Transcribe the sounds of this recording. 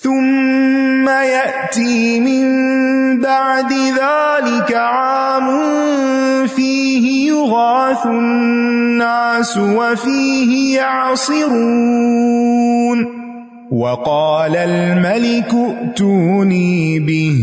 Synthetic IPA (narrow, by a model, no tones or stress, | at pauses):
θʊmː | ajaʔt̪iːmɪmbaʕd̪ɪðaːlɪkaʕaːmʊnn | fiː | hɪjʊɣaːθʊnnnːaːsʊwafiːhɪjaʕsˤɨɾu | n | wɑqɑːlalmalɪkʊʔt̪uːniːbɪh